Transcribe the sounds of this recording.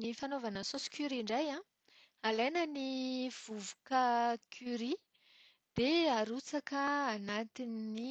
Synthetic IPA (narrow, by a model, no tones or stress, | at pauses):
nifanovanəsosi̥kʲyɾiɳɖ͡ʐajã | alajnəniv̥uvukəkʰʲyɾi | d̪̥eaɾut͡sakəːnat̪inːi